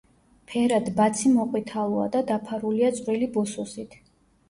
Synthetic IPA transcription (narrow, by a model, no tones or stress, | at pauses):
pʰɛɾad̪bat̪sʰimɔqʼwit̪ʰalˠɔa̰d̪ad̪apʰaɾuliat̪sʼɾilibɔsusit̪ʰ